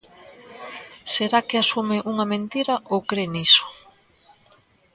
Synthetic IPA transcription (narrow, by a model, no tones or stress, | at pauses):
seɾakeasumeʔuŋɐmẽnt̪iɾɐʔokɾeniso̥